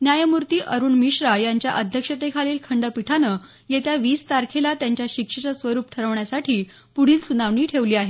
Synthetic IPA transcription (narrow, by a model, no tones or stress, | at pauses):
njajəmuɾt̪iːʔəɾuːɳmiɕɾajaɲt͡ɕjaʔəd̪ʱjəkʂət̪ekʰaliːlkʰəɳɖəpiʈʰanə | jet̪jaʋiːst̪aɾkʰelat̪jaɲt͡ɕjaɕikʂət͡ɕəsʋəɾuːp̚ʈʰəɾəʋɳjasaʈʰiː | puɽ̤iːlsunaʋɳiːʈʰeʋliːaɦe